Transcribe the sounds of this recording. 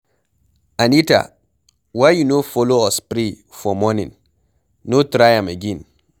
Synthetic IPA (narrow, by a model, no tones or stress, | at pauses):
anita̰ | wajjunofɔloɔspɾi | fɔmɔnḭ̃nː | otɾajãmaɡẽn